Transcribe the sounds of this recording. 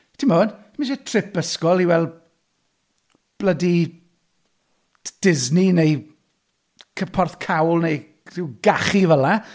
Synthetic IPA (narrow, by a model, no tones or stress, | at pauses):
tʰimoːnʰ | maʃɛtʰrɪpəskɔlˠiwɛlˠ | b̥lədi | d̥ɪzninej | kʰəpʰɔrθkʰawlˠnej | rɪwɡaχivəla